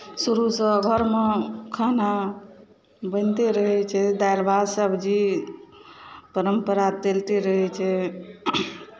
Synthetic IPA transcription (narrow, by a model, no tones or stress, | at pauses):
suɾusə̃ɡʱəɾmekʰana | bə̃nt̪eɾəɦɛt͡ʃʰɛd̪ajlbad̪səbʱd͡ʒi | pəɾəmpəɾat̪elt̪iɾəɦɛt͡ʃʰɛ